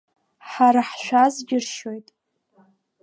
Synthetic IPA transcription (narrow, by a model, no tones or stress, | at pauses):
ħaɾaħʃʷᶣazɡʲɪrʃo̞jtʼ